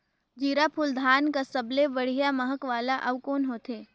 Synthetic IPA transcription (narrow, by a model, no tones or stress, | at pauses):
d͡ʒiːɾapʰuːld̪ʱaːnkasɐblebɐɽ̤ijamɐɦəkʋaːlaʔɐʋkoːnɦoːt̪ʰeː